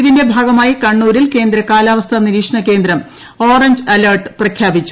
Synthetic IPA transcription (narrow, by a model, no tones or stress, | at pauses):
iðinde̞bʱaːɡɐmaːjikɐɳːuːɾilke̞ːnd̪ɾɐkaːlaːʋɐst̪ʰɐniɾiːkʂɐɳɐke̞ːnd̪ɾɐm | o̞ːrɐɲd͡ʑɨɐlɐrʈɨ̥prɐkʰjaːbit͡ɕːu̥